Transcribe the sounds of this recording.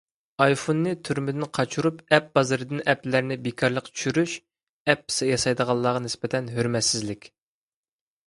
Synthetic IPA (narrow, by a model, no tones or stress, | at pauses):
ɑjfonːɨt̪ʰyɾmɪd̪ɪnqʰɑt͡ʃʰuɾupɛp̚bɑzɨɾɨd̪ɨnʔɛplæɾnɪbekʰɑɾlˠəqt͡ʃʰy̥ʃyɾyʃ | ɛpːɪ̥sɛjɑsɑjd̪əʁɑlˠːɑːʁɑnɪspɪt̪ʰɛnɦyɾmɛt̪sɪzlɪkʲ